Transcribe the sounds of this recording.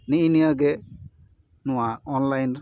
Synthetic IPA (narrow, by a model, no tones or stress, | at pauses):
niʔinijaɡɛ | nuwaɔnlajn